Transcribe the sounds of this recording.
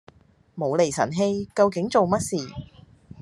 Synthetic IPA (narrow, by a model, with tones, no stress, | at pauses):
mo˨˧wle˨jsɐ̰˨˩nɦe˧jkɐ˧wkɪ˨˥ŋt͡so˨wmɐ˥t̚siː˨